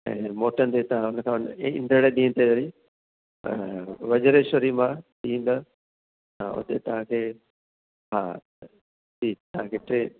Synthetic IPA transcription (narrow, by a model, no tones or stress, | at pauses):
ɛ̰̃ːmoːʈənt̪et̪ɐʋ̤ãʊnəkʰãːnɪ̃nd̪ʱəɽeɗĩːənt̪ʰeoɾḭ | ʋɐd͡ʑəɾeʃʊɾimãɗĩːn̆d̪ə̃ | ʊ̰t̪et̪ɐʋ̤ãkʰeː | ɦa̰ː | tʰiːt̪ɐɦãkʰeːʈɾeː